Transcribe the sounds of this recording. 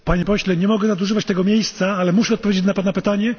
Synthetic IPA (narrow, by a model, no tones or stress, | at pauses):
paɲɛpɔɕlɛɲɛmɔɡɛzad̪uʐɘvat͡ɕt̪ɛɡɔmʲjejst̪saalɛmuʂɛɔt̪̚pɔvʲjed͡ʑet͡ɕnapanapɘt̪aɲɛ